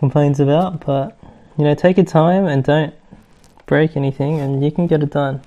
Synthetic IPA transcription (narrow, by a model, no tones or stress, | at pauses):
kʰm̩pʰl̥ẽɪ̃nzɨbaʊt̚b̥ʌt̚ | jɨñoʊtʰeɪkɨtʰãɪ̃mɨ̃ndõʊ̃n | b̥ɹeɪkɛniθɪ̃ŋɨ̃njɨkʰn̩ɡɛɾɨt̚d̥ʌ̃n